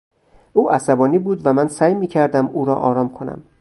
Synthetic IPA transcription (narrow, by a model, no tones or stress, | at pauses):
ʔuːʔæsæbɒːniːbuːd̪væmænsæjmiːcʰæɾd̪æmuːɾɒ̰ːʔɒːɾɒːmkʰonæ̰m